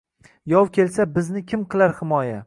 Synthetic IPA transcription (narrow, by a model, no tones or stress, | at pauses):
jɒwkʲʰe̞lsabɪznɪkʲʰɪmqʰɨlˠaɾhɪmɒja